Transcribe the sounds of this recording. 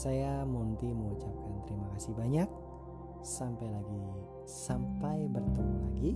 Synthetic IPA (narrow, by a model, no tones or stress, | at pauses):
sajamunt̪iməŋut͡ʃap̚kant̪əɾimakasibaɲak̚ | sampajlaɡi | sampajbərt̪əmlaɡi